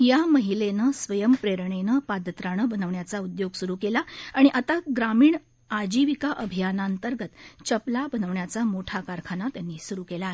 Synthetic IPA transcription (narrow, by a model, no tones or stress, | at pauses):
jaməɦilenəsʋəjəmpɾeɾɳenəpad̪ʱət̪ɾaɳ̃əbənəʋɳjat͡saud̪joɡsuɾuːkelaaɽ̃iʔat̪aɡɾamiːɳ | ad͡ʑiʋikaʔəbʱijanaənt̪əɾɡət̪t͡ɕəplabənəʋɳjat͡samoʈʰakaɾkʰanat̪janːiːsuɾuːkela